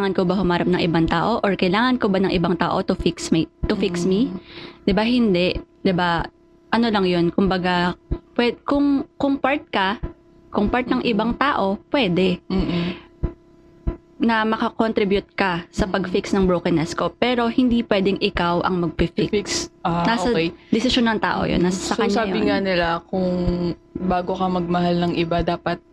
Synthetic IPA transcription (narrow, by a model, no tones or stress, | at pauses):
aŋɐnkobɐhʊmaːɾɐp̚nɐŋʔɪbant̪aːʔo̞ʔoɹkɐjlaːŋɐnkobanɐŋʔɪbaŋt̪a̰ːʔo̞t̪ʊfɪksmit̪ʊfiksmid̪ɪbaɦɪnd̪ɛʔd̪̥ɪba | ʔɐnolɐŋjonkʊmbɐɡapwɛkʊŋkʊŋpaɹt̪̚kɐ | kʊŋpaɹt̪̚nɐŋʔɪbaŋt̪aːʔo̞pwɛːd̪ɛ | nɐmɐkɐkont̪ɾɪbjʊt̪̚kɐsɐpɐɡfiksnɐŋbɾokɛnɛsko̞pɛːɾo̞hɪnd̪iːpwɛːd̪ɛŋɪkawʔɐ̰ŋmɐɡ̚fɪfɪkksnasɐd̪ɪsɪʃonːɐŋt̪a̰ːʔo̰jo̰nːɐsɐsɐkɐɲːsaːɪŋanɪlakʊŋbaːɡokɐmɐɡ̚mɐɦalnɐŋʔɪbad̪aːpɐt̪̚